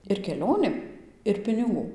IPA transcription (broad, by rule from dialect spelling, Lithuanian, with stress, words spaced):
ɪr kʲɛˈlʲoːnʲeːm ɪr pʲɪnʲɪˈɡuː